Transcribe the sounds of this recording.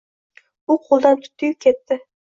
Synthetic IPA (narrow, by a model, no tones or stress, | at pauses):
ʊqʰolˠd̪ant̪ʰʊ̥t̪ʰːɪɡʲkʲʰet̪ːɪ